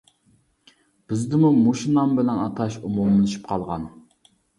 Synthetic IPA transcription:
b̥ɪzd̪ɪmumoʃinɑmbɪlɛnɑt̪ʰɑʃumumlɨlˠɨʃi̥p̚qʰɑlˠʁɑn

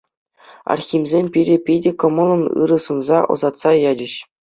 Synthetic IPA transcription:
ɑ̰rxʲimʲzʲemʲpʲiɾʲĕpʲidʲĕkɤ̆mɤ̆lˠɤ̆nɯ̰ɾɤ̆sunzɑʔɤ̰̆zɑt̪sɑjɑd͡ʑɘ̆ɕ

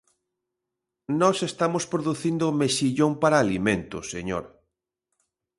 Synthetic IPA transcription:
nɔsest̪amospɾoðuθind̪ʊmeʃiʎompaɾaːlimẽnt̪ʊseɲo̰ɾ

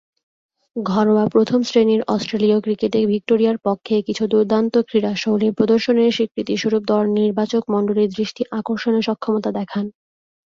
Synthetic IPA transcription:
ɡʱɔɾoapɾot̪ʰomsɾeneɾɔsʈɾeliokɾikeʈebʱik̚ʈoɾiaɾpokʰːekit͡ɕʰud̪uɾd̪ʱant̪okɾiɾaʃowliɾpɾod̪oɾʃoneɾʃikɾit̪iʃuɾup̚d̪ɔniɾbat͡ɕokmɔnɖoliɾd̪ɾiʃʈʰiʔakoɾʃoneɾʃɔkʰːomot̪ad̪ɛkʰan

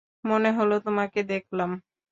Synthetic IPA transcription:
moneɦolot̪omaked̪ekʰlam

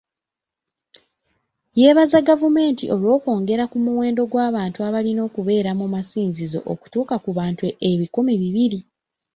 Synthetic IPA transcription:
jeːβazaɡavume̞ːntiʔo̞lwo̞ːko̞ːŋɡe̞ɾakumuwe̞ːndo̞ɡwaːβaːntuaβalino̞ːkuβe̞ːɾamumasiːnzizo̞̰ʔoku̥tuːkakuβaːntueβikumiβiβiɾi

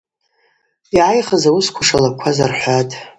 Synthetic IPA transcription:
iʕajχəzawuskʷʰaʂalakʷʰazarħʷatʼ

